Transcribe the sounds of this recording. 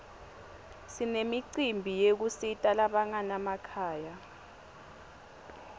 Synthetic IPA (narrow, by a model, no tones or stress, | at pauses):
sinemiǀimbʱijek̬usitʼalaɓaŋanamakʰaːja